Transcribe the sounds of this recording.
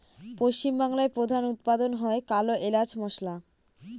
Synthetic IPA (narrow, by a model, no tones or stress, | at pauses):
poʃt͡ɕimbaŋlaepɾod̪ʱanut̪̚pad̪onɦɔekaloʔelad͡ʑmɔʃla